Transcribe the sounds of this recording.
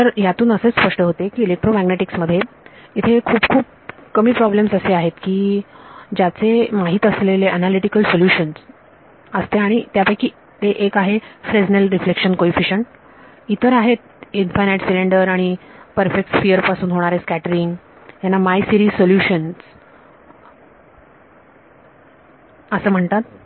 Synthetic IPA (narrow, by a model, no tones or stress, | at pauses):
t̪əɾjat̪uːnəseːspəʂʈəɦot̪ekiːelek̚ʈɾomæɡneʈiksməd̪ʱːje | it̪ʰekʰuːpkʰuːp̚ | kəmiːpɾɔblemsəseaɦet̪kiː | d͡ʑat͡semaɦiːt̪əsleleʔənaliʈikəlsoljuɕəns | əst̪eaɽ̃it̪japajkiː | t̪eʔekaɦefɾed͡znəlɾiflekɕənkoifiɕəɳʈ̚ | it̪ʰəɾaɦet̪̚ | infajneʈsileɳɖəɾaɽ̃ipəɾfek̚ʈfijəɾpasuːnɦoɽ̃aɾeskæʈəɾiŋɡ | janːamajsiɾiːzsoljuɕəns | əsəːm̤əɳt̪at̪̚